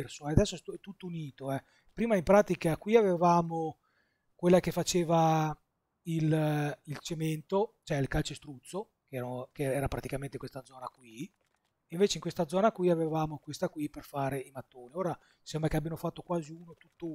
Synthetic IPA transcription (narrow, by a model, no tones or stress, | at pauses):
rsoɛad̪ɛsːoɛt̪ɛt̪ːut̪ːouniːt̪oɛ | pɾiːmaimpɾaːt̪ikakwiavevaːmo | kwelːakefat͡ʃeːva | ililt͡ʃement̪ot͡ʃoɛilkalt͡ʃest̪ɾut̪sːo | kɛːɾokeɛːɾapɾat̪ikament̪ekwest̪ad̪zɔːnakwi | iɱveːt͡ʃeiŋkwest̪ad̪zɔːnakwiavevaːmokwest̪akwiperfaːɾeimat̪ːoːnioːɾa | sɛmbɾakeabjamofat̪ːokwaːziuːnot̪u̥t̪ːo